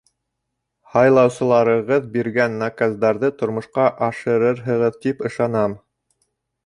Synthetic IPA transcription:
hɑjlˠɑwsɤ̆lˠɑɾɤ̆ʁɤðbiɾɡænːakazd̪ɑɾðɤt̪ŏɾmŏʃqɑʔɑʃɤ̆ɾɤɾɦɤ̆ʁɤðt̪ipɤ̆ʃɑnɑm

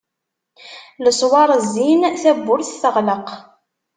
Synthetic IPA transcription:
ləsˤwɑɾˤəzːinθæbːʊɾθθəʁləq

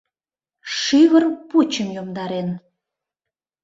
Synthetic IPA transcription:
ʃyβərput͡ɕəmjomd̪ɑɾen

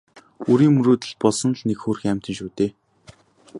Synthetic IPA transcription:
uɾiːmɵɾuːt̪ɘ̆ɮ̚pɔɮsɞ̆nɮnekxoːrxæm̥ʲt̪ə̆nʃuːt̪eː

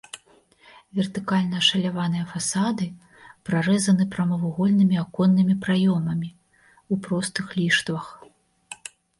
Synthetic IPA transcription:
vʲɛrt̪ɨkalʲnɐʂɐlʲavan̪ɨjɐfasad̪ɨ | pɾaɾɛzɐnɨpɾɐmɐvuɣɔlʲnɨmʲiakɔnːɨmʲipɾajɔmɐmʲi | upɾɔst̪ɨxlʲiʂt̪vɐx

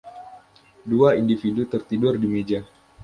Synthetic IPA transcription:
duaindifidut̪ərt̪idʊrdimed͡ʒa

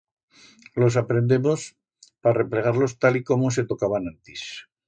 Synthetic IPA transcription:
lo̞s̬apɾe̞nd̪e̞mo̞s | pare̞ple̞ɣ̞aɾlo̞st̪aliko̞mose̞t̪o̞kaβanãnt̪is

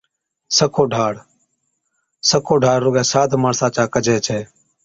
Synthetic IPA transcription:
səkʰoːɖʱaːɽ | səkʰoːɖʱaːɽɾoːɡɛ̃ːsaːd̪ʱmaːɳsaːt͡ʃaːkəd͡ʒʱeːt͡ʃʰeː

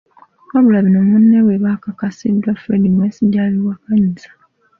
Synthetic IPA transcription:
koβulaβinomunːeweβakakasidːwafɾedimwesiɟaliwakaɲizḁ

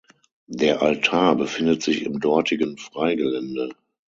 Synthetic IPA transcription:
deːɐʔaltʰaːɐbəfɪndətz̥ɪçɪmdɔɐtʰɪɡənfʁ̥aɪɡəlɛndə

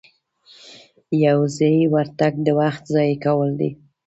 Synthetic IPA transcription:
jawzewaɾt̪aɡ̚d̪əwaxt̪zɑjkawəld̪ḭ

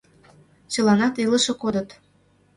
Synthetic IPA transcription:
t͡ɕə̆lɑnɑt̪iləʃɤ̆kod̪ə̆t̪

